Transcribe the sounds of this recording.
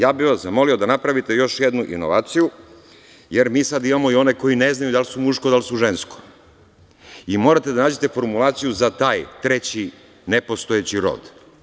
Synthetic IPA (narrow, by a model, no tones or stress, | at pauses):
jaːbiʋaszamo̞liod̪anapɾaʋit̪e̞jo̞ʃjed̪nuʔḭno̞ʋaːt̪siju | jeɾmiːsad̪imamo̞io̞ne̞ko̞jine̞znajud̪alsumuʃko̞d̪alsuʒensko̥ | imo̞ːɾat̪e̞d̪anaːd͡ʑe̞t̪e̞fo̞ɾmulˠaːt̪sijuzat̪aːjt̪ɾet͡ɕi | nepost̪oet͡ɕiɾo̞̰ːd̪̥